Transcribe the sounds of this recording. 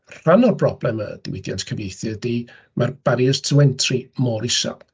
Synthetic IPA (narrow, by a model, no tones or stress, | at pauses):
r̥anɔrbrɔblɛmə̰d̥ɪ̰wɪdja̰ntʰkʰəvejθjədiː | mʔarbaɾjɛstʰəwɛntʰrimɔɾɪsa̰